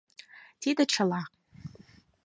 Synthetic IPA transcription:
tʰidaʈ͡ʂʰala

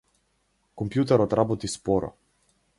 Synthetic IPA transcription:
kɔmpjut̪ɛɾɔt̪ɾabot̪ispɔɾɔ̰

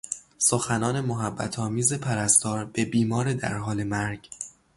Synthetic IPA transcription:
soxænɒːne̞moɦæbːæ̰t̪ʰɒːmiːze̞pʰæɾæst̪ʰɒːɾbe̞biːmɒːɾed̪æ̰ɾɦɒːle̞mæɾɟ̥

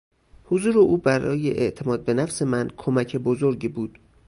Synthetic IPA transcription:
hozuːɾeʔuːbæɾɒ̰ːje̞ʔḛʔt̪ʰe̞mɒːd̪̚be̞næfse̞mænkʰomæcʰebozoɾɟibuːd̪̥

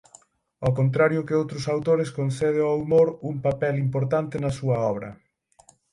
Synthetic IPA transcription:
ɔkont̪ɾaɾjʊkɪowt̪ɾʊsawt̪oɾɪskonθɛð̞eaumoɾuŋpapɛlimpoɾt̪ant̪ɪnɐsuɐɔβ̞ɾɐ̰

